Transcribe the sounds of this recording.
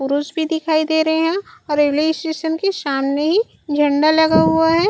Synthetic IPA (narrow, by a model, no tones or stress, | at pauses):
pʊɾuːsbʱid̪ɪkʰaːid̪eːɾɐɦeɦɛ̃ɔːɾeʋleːsʈeːʃənkeʃaːmneɦi | d͡ʒʱɐ̃ɳɖalɐɡaɦuaɦɛː